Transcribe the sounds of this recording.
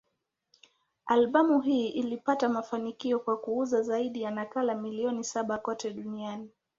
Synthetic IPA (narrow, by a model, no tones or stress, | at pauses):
alɓamuɦiːʔilipatamafanikiɔkwakuuzazaiɗijanakalamiliɔnisaɓakɔtɛɗuniani